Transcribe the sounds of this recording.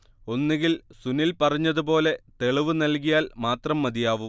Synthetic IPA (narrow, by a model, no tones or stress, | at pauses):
o̞nːeŋɡilsunilpɐrɐɲːɐðupo̞ːle̞t̪e̞ɭiʋɨnɐlk̬ijaːlmaːt̪rɐmːɐd̪ijaːʋu